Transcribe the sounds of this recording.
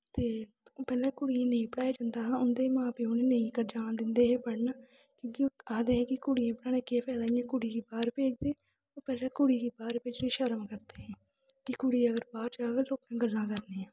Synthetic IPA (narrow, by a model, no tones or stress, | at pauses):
t̪eː | pɛːlãːkʊɽiãːnəĩːpəɽaːjeːd͡ʒãːnd̪aːɦãːʊnd̪eːmãːpeːoːneːnəĩːkəɾd͡ʒaːnd̪ɪnd̪eːɦẽːpəɽnaː | kjõːkɪaːd̪eːɦɛ̃ːkɪkʊɽijãːpəɽãːneːkeːpʰɛːd̪aːijãːkʊɽiːɡiːbaːɾpeːd͡ʒd̪eː | oːpɛːlãːkʊɽiːkiːbaːɾpeːd͡ʒneːʃəɾəmkəɾd̪eːɦɛ̃ː | kɪkʊɽiːəɡəɾbaːɾd͡ʒaːɡəɾloːkãːɡəlːãːkəɾneːãː